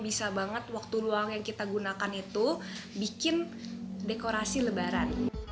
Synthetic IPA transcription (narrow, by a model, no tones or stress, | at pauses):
bisabaŋət̪̚wak̚t̪uluaŋjaŋkit̪aɡunakanit̪ubikɪn | dekoɾasiləbaɾan